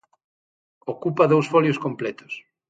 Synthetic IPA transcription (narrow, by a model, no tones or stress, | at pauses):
okupɐðowsfɔljoskomplɛt̪ʊ̥s